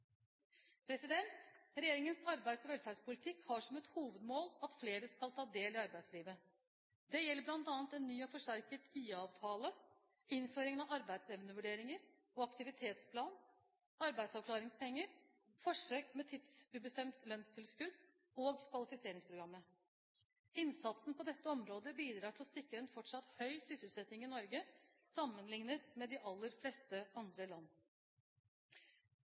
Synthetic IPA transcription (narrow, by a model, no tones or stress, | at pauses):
pʰɾɛsɪd̪ɛnt̪ɾɛjeːɾɪŋənsɑɾbæɪd̪sɔʋɛlfɑːspʊlɪt̪ʰɪkhɑʂɔmɛt̪huːʋəd̪moːlɑt̪fleːɾəskɑlˠt̪ʰɑːd̪eːlɪɑɾbæɪd̪sliːʋə | d̪ɛjɛlːəblɑnt̪ɑːnt̪ɛnːyːɔfɔʂʈæɾkət̪iːɑːʋt̪ʰɑːlə | ɪnføːɾɪŋənɑɑɾbæɪd̪sɛʋənəʋʉɖeːɾɪŋəɾ | ɔɑkt̪ɪʋɪt̪ʰeːt̪spʰlɑːn | ɑɾbæɪd̪sɑʋkʰlɑːɾɪŋspɛŋːəɾ | fɔʂøːkmɛt̪ʰɪd̪sʉbəst̪ɛmt̪lœnst̪ʰɪlskʉd̪ | oːɡkʰʋɑlɪfɪseːɾɪŋspʰɾʊɡɾɑmːə | ɪnsɑt̪sn̩pɔd̪ɛt̪ːəɔmɾoːd̪əbiːd̪ɾɑːʈʰɪlɔsɪkːəɾɛnt̪fɔʈʂɑt̪hœʏsʏsəlsɛt̪ɪŋɪnɔɾɡə | sɑmːənlɪŋnət̪mɛd̪ɪʔɑlːəɾflest̪əɑnd̪ɾəlɑnː